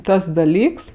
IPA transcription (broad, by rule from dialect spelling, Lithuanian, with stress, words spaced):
ˈtɐs dɐˈlʲiːks